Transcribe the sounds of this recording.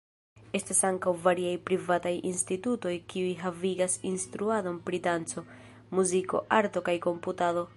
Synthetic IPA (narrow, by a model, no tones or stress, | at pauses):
e̞stasaŋkawvaɾiajpɾivatajinstituto̞jkiujɦaviɡasinstɾuado̞npɾitant͡so̞ | muziko̞̰ʔaɾto̞kajko̞mputado̞